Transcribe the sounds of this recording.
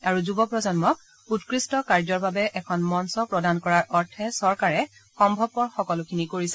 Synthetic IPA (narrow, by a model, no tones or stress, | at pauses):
aɹuzubɔpɹɔzɔnmɔk̚ | utkɹistɔkaɹzɔɹbabɛʔɛkʰɔnmɔnsɔpɹɔdankɔɹaɹʔɔɹtʰɛsɔɹkaɹɛ | xɔmbʱɔb̚ːɔɹxɔkɔlʊkʰinikoɹisɛ